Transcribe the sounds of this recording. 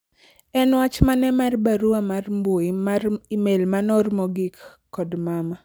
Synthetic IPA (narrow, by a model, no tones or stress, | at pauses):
ɛnwat͡ʃmanɛmarbaɾuamarmboaimelmanɔrmɔɡikː | ɔdmama